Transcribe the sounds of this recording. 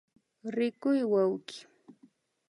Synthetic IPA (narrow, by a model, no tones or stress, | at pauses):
ɾɪkʊjwawkɪ̥